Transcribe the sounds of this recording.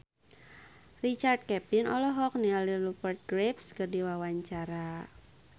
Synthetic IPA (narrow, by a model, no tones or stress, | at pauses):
rit͡ʃard̪̚kɛpinɔ̰lɔɦɔk̚nialilupərt̪̚ɡɾepskərdiwawaɲt͡ʃaɾa